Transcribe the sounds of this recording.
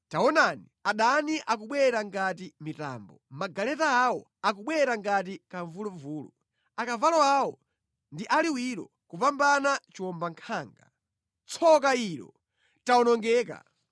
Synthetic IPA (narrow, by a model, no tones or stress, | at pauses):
taɔnaniaɗaniʔakuɓwɛɾaŋɡatimita̰ːmbɔmaɡalɛtaːwɔ̰ | ak̬uɓwɛɾaŋɡat̬ikaɱvuluɱvuːlṵ | akavalɔawɔ | ndiʔaliwiɾɔ̰ | kupambanat͡ʃiwɔmbaŋkʰaːŋɡa | t͡sʰɔk̬aiːɾɔ̰ | taɔnɔŋɡɛːka̰